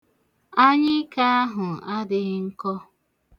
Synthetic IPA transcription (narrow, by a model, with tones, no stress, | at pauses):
a˦ɲɪ˦ka˦a˦ɦʊ˨a˦dɪ˨˦ŋ̩˦kɔ˦